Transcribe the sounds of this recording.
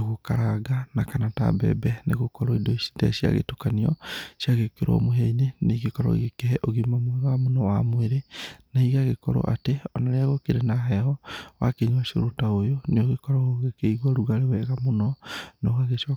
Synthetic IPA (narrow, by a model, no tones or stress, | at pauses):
ɣokaɾaɡanakanata̰bɛ̰bɛnḛɣokɔɾɔidoisi̥dɛ̰sia̰ɣḛtokaniɔ̰sjaɣekeɾo̰ɔ̰moɦeineneɣekɔɾɔ̰ɣekeɦɛʔoɣemamwɛɣamonɔwamweɾenaiɣaɣekɔɾɔ̰ʔa̰teɔnaɾeaɣokeɾenaɦɛɦɔwa̰keɲwaʃo̰ɾotaojoneoɣekɔɾɔoɣekeiɣwaɾuɣaɾewɛɣamonɔnoɣaɣeʃɔ